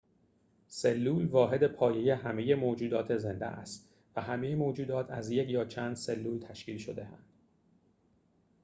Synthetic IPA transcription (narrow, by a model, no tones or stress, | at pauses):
selːuːlvɒːɦe̞d̪e̞pʰɒːje̞je̞ɦæme̞jemoːd͡ʒuːd̪ɒːt̪ʰe̞ze̞nd̪ḛʔæ̰st̪ | væɦæmejemoːd͡ʒuːd̪ɒːt̪ʰæzjecʰjɒːt͡ʃʰæːnd̪̥se̞lːuːlt̪ʰæʃciːlʃod̪e̞ænd̪̥